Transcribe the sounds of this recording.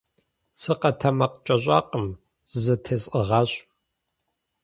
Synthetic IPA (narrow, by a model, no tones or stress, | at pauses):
sɨqɐtʰɐmɐqt͡ʃʼɐɕʼɑːqəm | zɐtʰesʼəʁɑːɕʼ